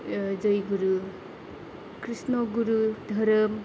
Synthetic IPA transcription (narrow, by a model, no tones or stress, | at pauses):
d͡ʒəjɡuɾu | kɾisnɔɡuɾudʱəɾəm